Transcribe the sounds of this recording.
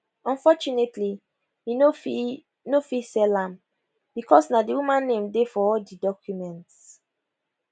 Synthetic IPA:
ɔ̃nfɔt͡ʃunetʰli | iofi | nofisɛlãm | b̥ikɔsnadiwumãnːẽmdefɔɔldidɔkʰjumɛ̃nts

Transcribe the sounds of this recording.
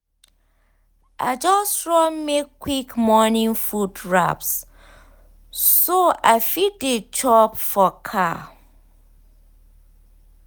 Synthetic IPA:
ʔa̰ɪd͡ʒɔstɹɔmekːwikmɔnĩŋfudɹa̰ps | soʔaɪfit̚det͡ʃʰɔpfɔkʰa

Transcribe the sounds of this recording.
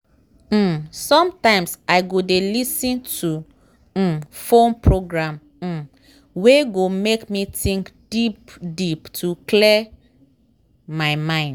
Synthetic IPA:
m̩sɔ̃mtãɪ̃msaɪɡodelisĩntʰu | fõnpɹoɡɹãm̩ | weɡomekmitĩŋkd̥ipdiptʰuklɛ | maɪmãɪ̃nd

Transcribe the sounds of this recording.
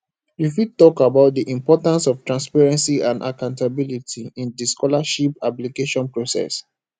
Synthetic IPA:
jifid̚tɔkabaʊt̚diʔĩmpɔtãnsɔftɹãnspaɹɛ̃nsiãnda̰kãʊ̃ntabilitʰiĩndiskɔlaʃipaplikeʃɔ̃npɹosɛ̰s

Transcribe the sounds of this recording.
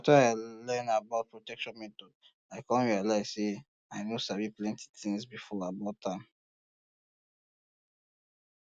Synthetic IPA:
ataaɪlɛ̃nabaʊt̚pɹɔtɛkʃɔ̃nmɛtɔd | aɪkɔ̃nɹialaɪzse | aɪnosaviplɛ̃ntʰi̥tĩŋsbifɔabɔtʰãm

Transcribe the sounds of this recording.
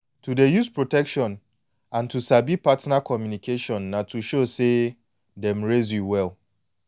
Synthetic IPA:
tʰudejuspɹotɛkʃɔ̃n | ãntusabipatnakʰɔmjunikʰeʃɔ̃nːatʰuʃose | dɛ̃mɹezjuwɛl

